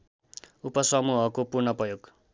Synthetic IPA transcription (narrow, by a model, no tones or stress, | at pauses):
upʌsʌmuɦʌkopurnʌprʌjoɡ